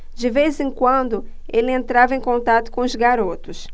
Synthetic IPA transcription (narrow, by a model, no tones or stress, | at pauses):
d͡ʒɪvezẽŋkwɐ̃nd̪ʊ | elɪẽnt̪ɾavɐẽj̃kõnt̪at̪ʊ̥kõʊzɡaɾot̪ʊs